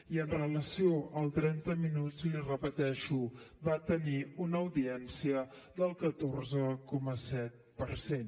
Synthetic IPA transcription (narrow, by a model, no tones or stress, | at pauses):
iənrələsioəlˠt̪ɾɛnt̪əminut͡slirəpət̪ɛʃuβat̪əniunəːwðiɛnsiə | ðəlˠkət̪orzəkɔməsɛt̪̚pəɾsen